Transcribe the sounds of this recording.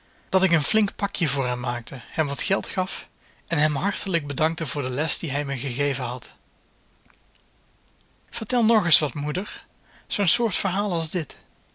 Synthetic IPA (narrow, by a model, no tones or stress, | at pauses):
d̥ɑtɪkənflɪŋkpɑkjəvʊːɹɦɛmːaːk̚təhɛmʋɑtxɛlˠtχɑf | ɛnɦɛmɦɑɹtələɡ̚bədɑŋk̚təvʊːɹdəlɛsd̥iɦɛjməɣəɣejvənɦɑt | v̥əɹtɛlˠnɔɹχəsʋɑtmudəɹ | z̥ownsʊːɹtfəɹɦaːlˠɑlˠzdɪt